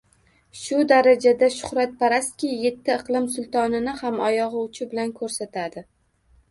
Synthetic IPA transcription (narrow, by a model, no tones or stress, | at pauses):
ʃʊd̪aɾad͡ʒad̪aʃʊ̥χɾat̪̚pʰaɾast̪kʲijːe̞t̪ʰːɪɨqlˠɪmsʊlˠt̪ʰɒnɪnɪhamɒjɒʁʊwt͡ʃʰɪbɪlankʰɵɾsat̪ʰad̪ɪ